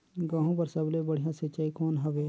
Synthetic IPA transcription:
ɡãːɦũpɐɾsɐblebɐɽ̤ijãsɪt͡ʃaːikɔːnɦɐʋeː

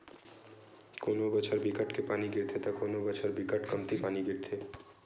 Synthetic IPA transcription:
konobɔt͡ɕʰaɾbikaʈkepaniɡiɾt̪ʰet̪akonobɔt͡ɕʰaɾbikaʈkamt̪ipaniɡiɾt̪ʰe

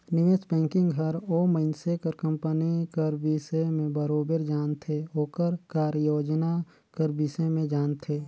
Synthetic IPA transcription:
nɪʋeːsbɛ̃ːŋkɪ̃ŋɡɦɐɾoːməɪnsekəɾkə̃mpənikəɾbɪsemẽbəɾoːbeɾd͡ʒaːnt̪ʰeoːkəɾkaːɾjoːd͡ʒna | kəɾbɪʃemẽd͡ʒaːnt̪ʰeː

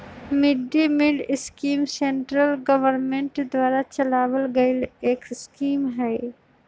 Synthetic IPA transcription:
mɪɖːimɪɖɪskiːmseɳʈɾəlɡɐʋəɾmẽɳʈd̪ʋaːɾat͡ʃɐlaːʋəlɡəeleːkɪskiːmɦɛː

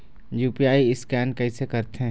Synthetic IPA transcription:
juːpiaːiɪskɛːnkɐisekɐɾt̪eɦɛ̃

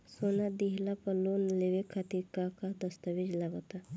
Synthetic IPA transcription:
soːnad̪iɦlapəloːnleʋekʰat̪ikakad̪ɐst̪əʋɪd͡ʒlaɡat̪a

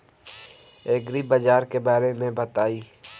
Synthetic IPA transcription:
eːɡɾibɐd͡ʒaːɾkebaːɾemẽbɐt̪aːiː

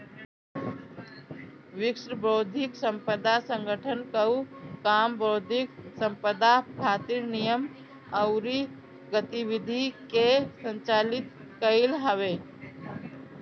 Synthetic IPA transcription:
ʋɪksɾəbɾoːd̪ʱɪksə̃mpəd̪asə̃ŋɡəʈʰənkəukaːmbɾoːd̪ʱɪksə̃mpəd̪akʰaːt̪iɾnijəm | əʊɾi | ɡət̪iʋid̪ʱikesə̃nt͡ʃaːlɪt̪ | kəɪlɦəʋe

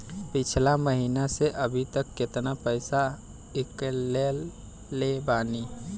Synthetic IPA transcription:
pɪt͡ʃʰlaməɦinaseʔəbʱit̪əkːɪt̪napəɪsa | ɪkːelː | ebaːni

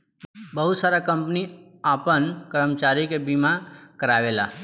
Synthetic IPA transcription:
bəɦusaɾakəmpni | apənkəɾmt͡ʃaɾikebimãkəɾaʋela̰

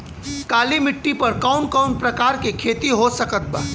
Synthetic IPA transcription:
kaːlimɪʈːipɐɾkaʊnkaʊnpɾɐkaːɾkekʰeːt̪iɦosɐkət̪̚ba

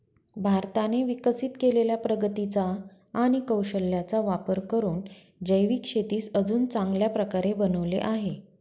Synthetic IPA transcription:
bʱaɾt̪aneʋikəsiːt̪keleljapɾəɡət̪it͡saː | ɽ̃ikəwɕəlːjat͡saʋapəɾkəɾuːn | d͡ʑəjʋiːkʂet̪iːsəd͡zuːnt͡sãŋɡljapɾəkaɾebənəʋlḛʔaɦe

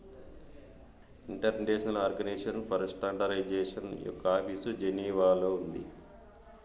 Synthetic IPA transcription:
iɳʈɐɾneːʃɐnɐlaːɾɡɐneːʂɐnpʰɐɾsʈɐɳɖɐɾɐjd͡ʒeːʂɐnjɔ̰kːɐaːpisud͡ʒeniːʋaːloːund̪i

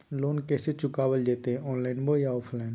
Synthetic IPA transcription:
loːnkeːset͡ʃʊkaːʋəld͡ʒeːt̪eɔ̃ːnlaːɪnboːjaopʰlaːɪn

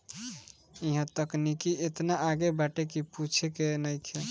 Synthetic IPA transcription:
iɦə̃t̪əknikiet̪naʔaɡebaʈekiput͡ʃʰekenəɪkʰe

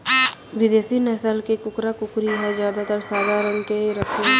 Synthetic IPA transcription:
ʋɪd̪eːsinɛːsəlkekʊkɾakʊkɾiɦɛzjaːd̪at̪əɾsaːd̪ʱaːɾə̃ŋɡkeɾəkʰẽ

